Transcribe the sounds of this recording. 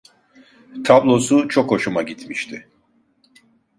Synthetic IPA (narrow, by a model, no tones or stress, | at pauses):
t̪ʰablˠo̞sut͡ʃʰo̞kho̞ʃumaɟit̪ʰmiʃt̪ʰɪ